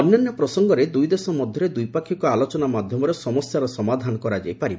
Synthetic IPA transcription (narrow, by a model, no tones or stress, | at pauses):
ɔbnanjɔpɾɔsɔŋɡɔɾed̪ujd̪esɔmɔd̪ʱjɔɾed̪ujpakʰikɔalɔt͡ʃɔnamad̪ʱjɔmɔɾɔsɔmɔsjaɾɔsɔmad̪ʱanɔkɔɾad͡ʒajpaɾib